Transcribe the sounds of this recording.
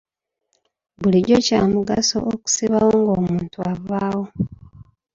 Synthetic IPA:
βuliɟo̞caːmuɡaso̞̰ʔoku̥siβawoŋɡoːmuːntuavaːwo̞

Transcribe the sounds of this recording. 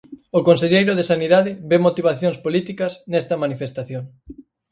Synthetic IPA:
ʊkonseʎejɾʊðesaniðaðɪβemot̪iβ̞aθjoŋspolit̪ikɐsnɛst̪ɐmanifest̪aθjoŋ

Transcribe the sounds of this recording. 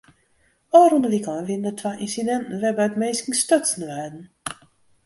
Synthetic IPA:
ɔːɾundəʋikɔʋɪndətʰʋaʔinsidɛntn̩ʋɛbœɥtmejskŋstøtsən̩əʋɛːdn̩

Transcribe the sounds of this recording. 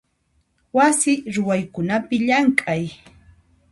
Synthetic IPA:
wasɪɾʊwajkʊnapɪʎaŋkʼaj

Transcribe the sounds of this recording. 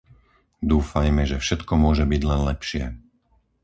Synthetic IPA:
d̪uːfajmɛʒɛfʃɛt̪kɔmʊɔʒɛbiɟlɛnlɛpʃɪɛ

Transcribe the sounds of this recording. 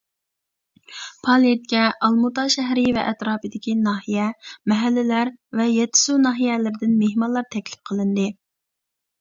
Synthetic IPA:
pʰɑlˠijet̪̚kʲɛʔɑlˠmut̪ɑʃɛɦɾɪvɛ̰ʔɛt̪ɾɑːpɨd̪ɪkʲinɑɦijɛmɛɦælːɪlæɾvɛjɛt̪ʰɪ̥sunɑɦijɛlɪɾɪd̪ɪnmeɦmɑnlˠɑɾt̪ʰɛkʲlɪ̥p̚qʰəlˠɨnd̪ɨ

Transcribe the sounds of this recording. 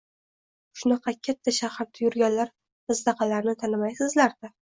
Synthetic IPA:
ʃʊnɑqʰɑkʲʰat̪ʰːaʃahaɾd̪ʰajʊɾɡʲanlaɾ | ɪzd̪ɑqʰɑlaɾnɪt̪ʰanɪmajsɪzlaɾd̪̥ɪ

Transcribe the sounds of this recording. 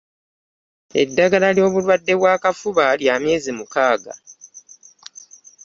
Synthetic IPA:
e̞̰dːaɡalaljo̞ːβulwadːe̞βwaːkafuβaljaːmje̞ːzimukaːɡa̰

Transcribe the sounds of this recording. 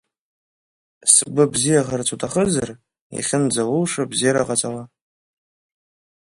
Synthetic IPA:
sbɨbzijaʁart͡sʰʼutʰʼaχəzar | ḭχʲɪnd͡zalʊlʂabzijaɾa̰qʼat͡sʼala

